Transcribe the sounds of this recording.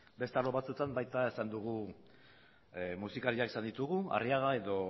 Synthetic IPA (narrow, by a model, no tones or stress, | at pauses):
be̞st̪aloβat͡sut̪ambajt̪ae̞sand̪uɣ̞u | musikaɾiakesand̪it̪uɣua̰riaɣae̞ðo̞